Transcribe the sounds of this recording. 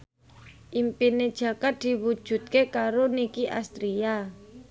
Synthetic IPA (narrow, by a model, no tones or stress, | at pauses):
ʔimpined̥ʒ̥ä̤kat̪̚d̪̥i̤wud̥ʒ̥ṳt̪̚kekaɾonikiʔa̰st̪ɾia